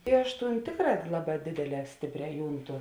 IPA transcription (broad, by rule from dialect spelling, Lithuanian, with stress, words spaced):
ɪ ˈɐʃ ˈtuːnʲˈtʲeːkˌrɑː ˈlˠɑːˌbɑː ˈdʲeːdʲeːˌlʲɛː ˈsʲtʲeːpʲˌrʲɛː ˈjuːnˌtʊ